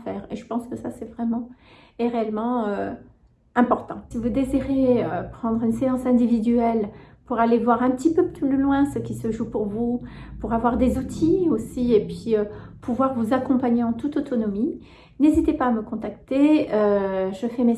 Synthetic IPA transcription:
fɛːʁeʒəpɑ̃skəsasɛvʁɛmɑ̃ | eʁeɛlmɑ̃ø | ɛ̃pɔʁt̪ɑ̰̃sivud̪eziʁeøpχɑ̃d̪ʁynseɑ̃sɛ̃d̪ivid̪yɛlpuʁalevwaʁɛ̃pət̪ipøplylylwɛ̃səkʲisəʒupuʁvu | puʁavwaʁd̪ezut̪ʰiosiepɥiøpʰuvwaʁvuzakɔ̃paɲeɑ̃t̪ut̪ot̪ɔnɔmi | nezit̪epaːməkɔ̃t̪akt̪eøʒəfɛme

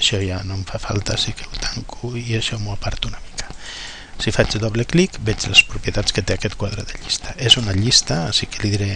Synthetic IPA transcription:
ʃɔjanoɱfafa̰lˠt̪asikewt̪aŋkuiaʃɔmuapaɾt̪unami̥kḁ | sifat͡ʃdoβleklikbɛt͡ʃləspɾupjət̪at͡sskət̪eakɛt̪kwað̞ɾəðeʎist̪aʔezunaʎist̪asikeliðiɾe

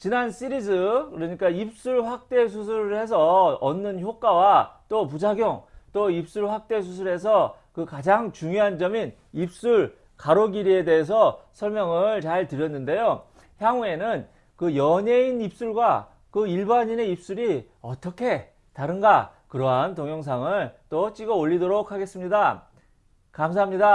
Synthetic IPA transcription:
t͡ɕinans͈ʰiɾid͡ʑɯkɯɾʌɲik͈aip̚s͈uɭɸwak̚t͈e̞s̬ʰusʰuɾɯɭhe̞s̬ʰʌʌnːɯnçjok͈awat͈op̬ud͡ʑaɡjoŋt͈oip̚s͈uɭɸwak̚t͈e̞s̬ʰusʰuɭɦe̞sʰʌ | kɯkad͡ʑaŋt͡ɕuŋjoɦand͡ʑʌmin | ip̚s͈uɭ | kaɾoɡiɾie̞de̞ɦes̬ʰʌsʰʌɭmjʌŋɯɭt͡ɕaɭtɯɾjʌnːɯnde̞jo | çjaŋue̞nɯn | kɯjʌɲe̞inip̚s͈uɭɡwa | kɯiɭbaɲine̞ip̚s͈uɾi | ʌt͈ʌkʰe̞ | taɾɯnɡakɯɾʌɦantoŋjʌŋs̬ʰaŋɯɭt͈ot͡ɕ͈iɡʌoʎːidoɾokʰaɡe̞s͈ɯmɲida | kamsʰaɦamɲida

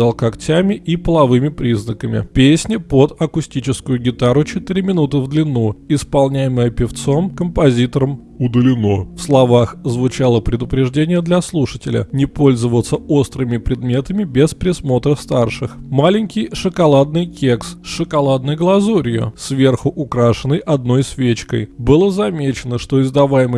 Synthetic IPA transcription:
alˠkɐktʲæmʲɪʔipəlˠɐvɨmʲɪpɾʲiznəkəmʲɪ̰pʲesʲnʲɪpod̪ɐkʊsʲtʲit͡ɕɪskʊjʊɡʲɪt̪aɾʊt͡ɕɪt̪ɨɾʲɪmʲɪnut̪ɨvd̪lʲɪnːuɪspɐlˠnʲæjɪməjəpʲɪft̪so̞mkəmpɐzʲit̪əɾəm | ʊd̪əlʲɪnofslˠɐvaxzvʊt͡ɕalˠəpɾʲɪd̪ʊpɾʲɪʐdʲenʲɪjəd̪lʲɐslˠuʂətʲɪlʲə̰nʲɪpo̞lʲzəvət̪səo̞st̪ɾɨmʲɪpɾʲɪd̪mʲe̞t̪əmʲɪbʲɪspɾʲɪsmo̞t̪ɾəfst̪arʂɨxmalʲɪnʲkʲɪjʂɨkɐlˠad̪nɨjkʲeksʂɨkɐlˠad̪nɨjɡlˠɐzoɾʲɪjʊ̰svʲe̞rxʊʔʊkɾaʂɨnːəjʔɐd̪̚no̞jsvʲet͡ɕkə̰jbɨlˠəzɐmʲet͡ɕɪnəʂt̪o̞ɪzd̪ɐvajɪmə

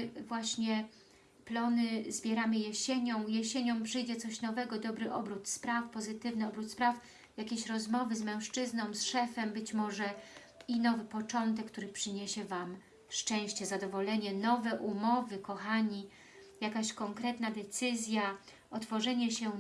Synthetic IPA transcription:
vwaɕɲɛ | plɔnɘzbʲjɛɾamɘjɛɕeɲɔ̃w̃jɛɕeɲɔ̃w̃pʂɘjd͡ʑɛt̪sɔɕnɔvɛɡɔd̪ɔbɾɘʔɔbɾut̪spɾafpɔzɘt̪ɘvnɘɔbɾut̪spɾaf | jakʲeɕɾɔzmɔvɘzmɛ̃w̃ʂt͡ʂɘznɔ̃w̃sʂɛfɛmbɘt͡ɕmɔʐɛ | inɔvɘpɔt͡ʂɔnt̪̬ɛkːt̪uɾɘpʂɘɲeɕɛvam | ʂt͡ʂɛ̃w̃ɕt͡ɕɛzad̪ɔvɔlɛɲɛnɔvɛʔumɔvɘkɔxaɲi | jakaɕkɔŋkɾɛt̪nad̪ɛt̪sɘzʲja | ɔt̪fɔʐɛɲɛɕɛ

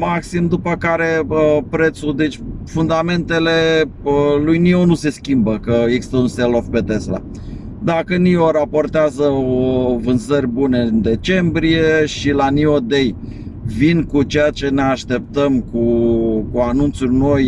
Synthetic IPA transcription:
maksimd̪upəkaɾe̞əpɾe̞t̪sud̪e̞t͡ʃʲfund̪ame̞nt̪e̞le̞əlujnionuse̞skʲimbəkəekɡsi̥st̪əunselofpe̞t̪e̞sla̰ | d̪akənioɾapo̞rt̪eazəovɨnzərʲbune̞nd̪e̞t͡ʃe̞mbɾije̞ʃilaniod̪ej | vinkut͡ʃejat͡ʃe̞ne̞aʃt̪e̞p̚t̪əmkukuanunt̪surʲno̞j

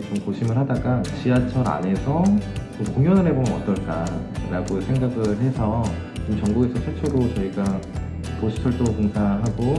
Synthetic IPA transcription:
t͡ɕomkoɕʰimɯɭɦadaɡat͡ɕiat͡ɕʰʌɾa̰ne̞sʰʌmokoŋjʌnɯɭɦe̞bomjʌnʌ̰t͈ʌɭk͈aɾaɡosʰe̞ŋɡaɡɯɭɦe̞sʰʌ | omt͡ɕʌŋɡuɡe̞sʰʌsʰet͡ɕʰeɾot͡ɕʌiɡa | posʰɯ̥tʰʌɭd͈okoŋsʰaɦaɡo

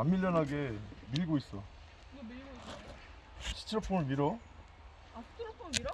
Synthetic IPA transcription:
amːiʎːʌnɦaɡe̞miɾɡois͈ʌ | ɕʰi̥t͡ɕʰɾpʰonmiɾʌ

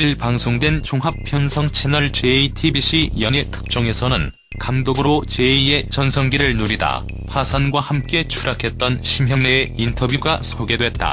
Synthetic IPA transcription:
iɭpaŋsʰoŋdwe̞nt͡ɕoŋɦap̚pʰjʌnsʰʌŋt͡ɕʰe̞nʌɭt͡ɕe̞itʰibiɕ͈ijʌɲetʰɯ̥k̚t͡ɕ͈ʌŋe̞sʰʌnɯn | kamdoɡɯɾot͡ɕe̞ie̞t͡ɕʌnsʰʌŋɡiɾɯɭnuɾida̰ | pʰasʰanɡwahamk͈e̞t͡ɕʰuɾakʰe̞t̚t͈ʌnɕʰimjʌŋneːintʰʌbʱjuɡasʰoɡe̞dwe̞t̚t͈a̰

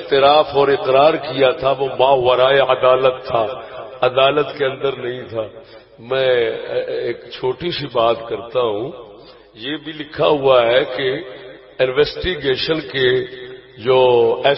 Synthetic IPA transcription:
ɪt̪ɪɾaːfɔːɾɪqɾaːɾkijat̪ʰaʋomaːɦʋɐɾaːeɐd̪aːlət̪ʰːaːɐd̪aːlət̪keɐ̃nd̪əɾnɐɦĩt̪ʰaː | mɛ̃ː | eːkt͡ʃʰoːʈisibaːt̪kɐɾt̪aɦũ | jebʱilɪkʰaɦuaɦɛke | ɪnʋɛːsʈiɡeːʃənke | d͡ʒoːɛː

